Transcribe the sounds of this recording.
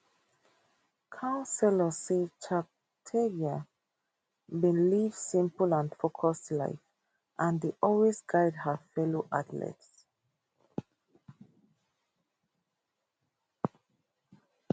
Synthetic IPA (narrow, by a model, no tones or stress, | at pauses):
kʰãʊ̃nsɛləsit͡ʃʰap | tʰeɡa | bĩnlivsĩmpəlãnfokʰɔstla̰ɪf | ʔãndiʔɔlwisɡaɪdhəfɛloʔadlɛ̰ts